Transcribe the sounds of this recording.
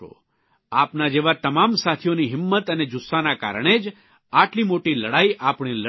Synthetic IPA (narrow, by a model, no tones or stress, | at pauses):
o̰ | apnad͡ʒeʋat̪əmamsat̪ʰjoniɦɪmːət̪əned͡ʒʊsanaka̰ɾəɳ̃ed͡ʒ | aʈlimoʈiləɽaiʔapɳ̃ilə